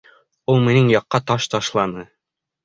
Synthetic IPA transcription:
ulˠmĭnɘŋjɑqːɑt̪ɑʃt̪ɑʃlˠɑnɤ

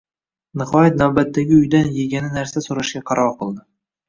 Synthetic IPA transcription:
nɪχɒjat̪̚nawbat̪ʰːaɡʲɪʊjd̪anjeɡʲanɪnaɾsasoɾaʃkʲaqʰɑɾɒɾqɨlˠd̪ɪ

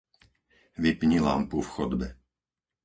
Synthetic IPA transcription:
ʋipɲila̰mpufxɔd̪bɛ

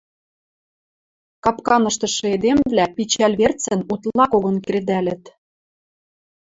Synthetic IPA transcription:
kɑpkɑnɤ̆ʃt̪ɤ̆ʃɤ̆ed̪emvlæpit͡ɕælʲβert͡sə̆nut̪lɑkoɣɤ̆nkɾed̪ælɘ̆t̪

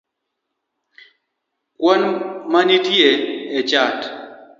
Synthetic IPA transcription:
kwɔnmanitjeːt͡ʃat

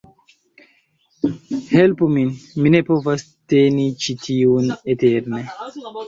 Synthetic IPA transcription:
he̞lpuminmine̞po̞vas | te̞nit͡ʃitʰiuneteɾne

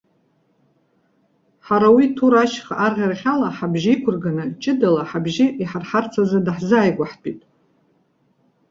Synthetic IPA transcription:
ħaɾawitʰuɾaʃχaʔarʁʲarʁʲalaħabʒɪikʷʰʊrɡanɨt͡ʃʼɪdalaħabʒɪʔiħarħart͡sʰazadaħzaːjɡʷaħpʼitʼ

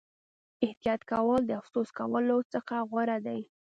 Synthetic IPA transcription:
ɪht̪ijɑt̪kawɑld̪əafsoskawəlot͡səxaɣwaɾad̪aj

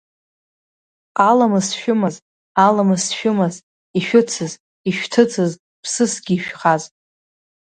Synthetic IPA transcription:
qalamɨsʃᶣʊmaz | alamɨsʃᶣʊmaz | iʃᶣʊt͡sʰɨz | iʃᶣtʰɨt͡sʰɨz | pʰsɨsɡʲiʃᶣχaz

